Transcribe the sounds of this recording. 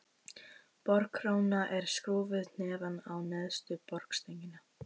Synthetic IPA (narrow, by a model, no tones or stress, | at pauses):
pɔɾkɾownaʔɛɾ̥skɾoːvɪðnɛːvanawnɛðst̪ʏpɔɾ̥kst̪ejɲcɪna